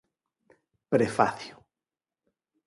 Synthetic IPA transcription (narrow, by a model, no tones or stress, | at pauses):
pɾefa̰θjo